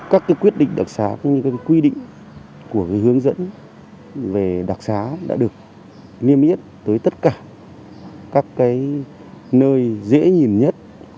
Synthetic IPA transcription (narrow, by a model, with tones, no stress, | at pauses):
kaː˦˥kːaː˨˦jkwi˦˥ət̚ɗḭ˧˨ŋ̟ɗa˨˩k̚saː˨˦kɔ˨˦ɲɨ˧kaː˨˦ka˨˦kwi˧ɗḭ˧˨ŋ̟ | ku˧˩əkaː˨˦jɦɨ˨˦əŋzə̰˧˥n | ve˨˩ɗa˨˩k̚saː˨˦ɗa̰ː˧˥ɗɨ˨˩ə˩k̚ | li˧əmʔi˦˥ət̚t̪əː˨˦jt̪ə˦˥t̚kaː˧˩ | kaː˦˥kːaː˨˦j | nəː˧jzḛ˧˥ɲi˨˩nɲə˦˥t̚